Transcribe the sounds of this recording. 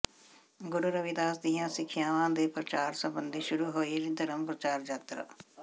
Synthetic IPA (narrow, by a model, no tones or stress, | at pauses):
ɡʊɾuɾəʋid̪aːsd̪ijãːsɪkʰːɪjãːʋãːd̪eːpɾət͡ʃaːɾsəmbənd̪iːʃʊɾuːɦoːiːɾid̪əɾəmpɾət͡ʃaːɾd͡ʒət̪ɾə̰